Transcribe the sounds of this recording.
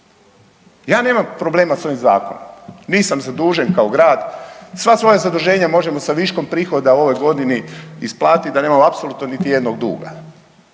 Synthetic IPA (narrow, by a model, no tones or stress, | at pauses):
jaːne̞ːmampɾo̞ble̞ːmaso̞ʋimza̰ːko̞̰no̰mniːsamzad̪uːʒenkaoɡɾaːd̪sʋasʋo̞jazad̪uʒe̞ːɲamo̞ʒemo̞saʋiʃko̞mpɾiːxo̞d̪ao̞ʋo̞jɡo̞d̪iniisplˠaːt̪id̪ane̞ːmamoapso̞lˠut̪nonit̪ije̞d̪noɡ̚d̪ṵːɡa̰